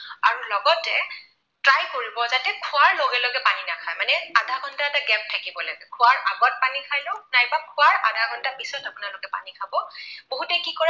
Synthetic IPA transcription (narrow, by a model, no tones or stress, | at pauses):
aɹulɔɡɔtɛ | tɹajkoɹibɔzatɛkʰʊaɹloɡɛloɡɛpaninakʰajmanɛadʱaɡʱɔntaɛtaɡɛp̚tʰakibɔlaɡɛkʰʊaɹʔaɡɔt̚panikʰajlonajbakʰʊaɹadʱaɡʱɔntapisɔtapʊnalʊkɛpa̰nikʰabɔboɦutɛkikɔɹ